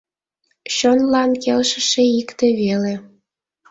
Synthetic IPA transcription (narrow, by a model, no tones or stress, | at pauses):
ɕonlɑnkelʃə̥̆ʃeikt̪ĕβele